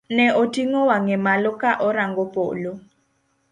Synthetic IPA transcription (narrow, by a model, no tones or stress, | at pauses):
nɛʔotʰʼiŋɔwaŋɛmalɔkaʔɔɾaŋɡɔpʼo̰ːlɔ